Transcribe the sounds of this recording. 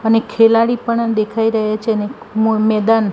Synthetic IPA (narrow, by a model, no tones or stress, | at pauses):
ənekʰelaɽipəɳd̪ekʰaiɾəɦat͡ʃʰeəne | mmɛd̪an